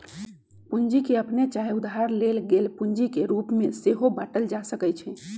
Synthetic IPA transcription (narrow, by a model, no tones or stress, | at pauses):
pund͡ʒikeəpnet͡ʃaɦiud̪ɦaɾlelɡelpuɲd͡ʒikeɾupmeseɦobaʈəld͡ʒasəkɛt͡ʃʰɛ